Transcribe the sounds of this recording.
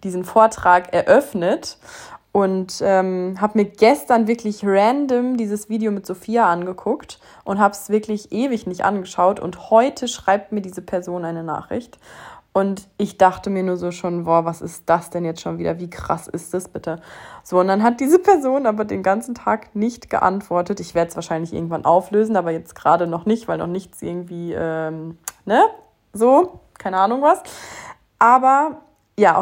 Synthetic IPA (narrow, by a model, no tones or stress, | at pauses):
d̥iːzn̩foːɐtʁ̥aːkɛɐʔœfnətʔʊntʔɛːmɦaːbəmiːɐɡɛstɐnvɪɐklɪçʁɛndəmdiːzəsv̥iːdeomɪtz̥ofiːaʔanɡəkʰʊkt | ʔʊnthaːbsv̥ɪɐklɪçʔeːvɪçnɪçtʔa̰nɡəʃaʊtʊ̰nthɔʏtʰəʃʁ̥aɪp̚tmiːɐdiːzəpʰɛɐzoːnʔaɪnəna̰ːχʁ̥ɪ̰çtʔʊntʔɪçd̥aχtəmiːɐnuːɐzoːʃoːnvoːvasɪstd̥asd̥ɛnjɛt͡stʃoːnviːdɐviːkʁ̥a̰sɪ̰stasb̥ɪtəz̥oːʊntd̥anɦat̚d̥iːzəpʰɛɐzoːnʔaːbɐdeːnɡant͡sn̩tʰaːknɪçtɡ̥ə̰ʔa̰ntv̥ɔɐtətɪçv̥eːɐdəsv̥aːɐʃaɪnlɪçʔɪ̰ɐɡŋ̩tvanʔaʊfløːzn̩aːbɐjɛt͡stɡ̥ʁaːɾənɔχnɪçtv̥aɪlnɔ̰χnɪçt͡sʔɪ̰ɐɡŋ̩tv̥iːʔɛːmnə | zoːkʰaɪnəʔaːnʊŋvas | ʔaːbɐ | jaː